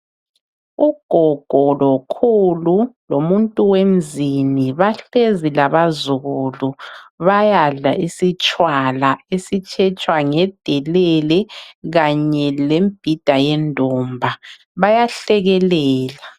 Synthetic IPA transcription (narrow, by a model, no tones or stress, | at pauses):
uɡ̥ʱɔɡ̥ʱɔlɔkʰululomuntʼuwem̩ziniβaɬezilaβazuluβajaɮaʔisit͡ʃʼwalaesit͡ʃʼʰɛt͡ʃʼwaŋɛd̥ʱɛlɛlɛɣaɲɛlemb̥ʱid̥ʱajɛndʱɔmbʱa | βajaɬɛɣɛlɛːla